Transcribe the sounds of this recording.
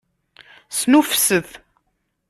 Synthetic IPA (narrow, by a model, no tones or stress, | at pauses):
snufsəθ